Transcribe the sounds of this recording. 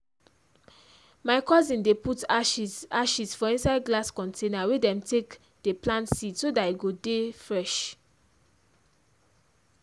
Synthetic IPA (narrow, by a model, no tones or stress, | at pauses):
maɪkɔzĩndeputaʃaʃisfɔĩnsaɪd̚ɡlaskɔ̃ntenawedɛ̃mtʰek | d̥eplãntsitsodatiɡodefɹɛʃ